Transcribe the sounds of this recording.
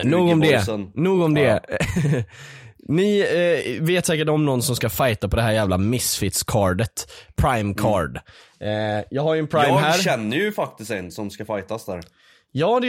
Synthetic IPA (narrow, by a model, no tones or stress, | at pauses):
nnuːɡɔmd̪ɛənnuːɡɔmd̪ɛ | nɪ | veːt̪sɛːk̬əʈɔmnɔnːsɔmskafajt̪apʰɔd̪ɛɦæːɾjæːvlamɪsfɪt̪skʰɑːɖət̪pʰɾajmkʰɑːɖ | jɑːɡhaɾjɛnpʰɾajmhæːɾɕɛnːəjɵfak̚t̪ɪst̪ɛnsɔmskafajt̪asd̪æ̰ɾ | jɑːd̪ɛ